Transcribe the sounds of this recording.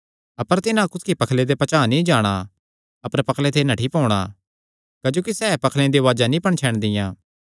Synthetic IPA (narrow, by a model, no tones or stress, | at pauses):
ɐpəɾt̪ɪnãkʊt̪kipɐkʰled̪epɐt͡ʃaːnĩd͡ʒaːɽ̃a | ɐpəɾpɐkʰlet̪ʰenɐʈʰipɔːɽ̃aː | kɐd͡ʒoːkisɛːpɐkʰlẽd̪eʋaːd͡ʒanĩpɐɽ̃t͡ʃʰɛːɽ̃d̪ɪjãː